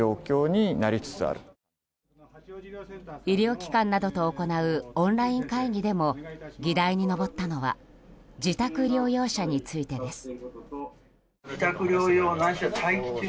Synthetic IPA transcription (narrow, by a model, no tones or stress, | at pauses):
o̞ːkʲo̞ːɲ̟inaɾʲit͡sɨ̥t͡sɨa̰ɾɯ̟ | iɾʲo̞ːkʲi̥kãnːad̪o̞t̪o̞ːko̞naɯ̟õnɾaĩŋkaiɡʲid̪e̞mo̞ɡʲid̪aiɲ̟ino̞bo̞t̪ːano̞βa̰ | d͡ʑit̪akɯ̟ɾʲo̞ːjo̞ːɕaɲ̟it͡sɨit̪e̞d̪e̞sɨ̥ | d͡ʑit̪akɯ̟ɾʲoːjoːnãɕot̪ʰaikʲi̥t͡s